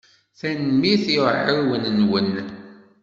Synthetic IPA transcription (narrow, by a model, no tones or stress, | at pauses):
θænmiθiʕəɾwənnwən